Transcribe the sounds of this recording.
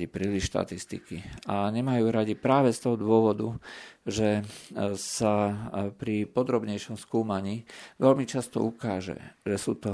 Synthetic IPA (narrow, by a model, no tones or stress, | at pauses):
ipɾiːliʃʃt̪a̰t̪ist̪ḭkiaɲɛmajuːɾaɟipɾaːʋɛst̪ɔɦɔd̪ʋʊɔʋɔd̪uʒɛ | sapɾipɔd̪ɾɔbɲɛjʃɔmskuːmaɲiːʋɛlmit͡ʃast̪ɔ̰ʔukaːʒɛ̰ʒɛsuːt̪ɔ